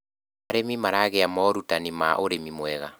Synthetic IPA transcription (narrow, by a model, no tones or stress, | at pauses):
maɾemimaɾaɣeamɔɾutanima̰ʔoɾemimoɛɣa